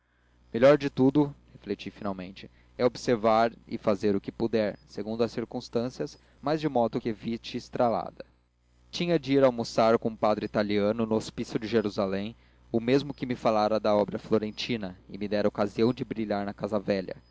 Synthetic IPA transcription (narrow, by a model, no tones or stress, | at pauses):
meʎɔɾd͡ʒɪt̪ud̪ʊheflet͡ʃifinawmẽnt͡ʃɪ | ɛobseɾvaɾɪ̰fazeɾʊkɪpud̪ɛɾseɡũnd̪ʊɐsiɾkũst̪ɐ̃siɐs | majzd͡ʒɪmɔd̪ʊkevit͡ʃɪːst̪ɾala̰d̪ɐ | t͡ʃĩɲɐd͡ʒiiɾawmusaɾkõũpad̪ɾɪit̪aliɐ̃nʊnʊospisjʊd͡ʒɪʒeɾuzalẽj̃ | ʊmezmʊkɪmɪfalaɾɐd̪ɐɔbɾɐfloɾẽnt͡ʃĩnɐɪmid̪ɛɾɐokaziɐ̃w̃d͡ʒɪbɾiʎaɾnɐkazɐvɛʎɐ̰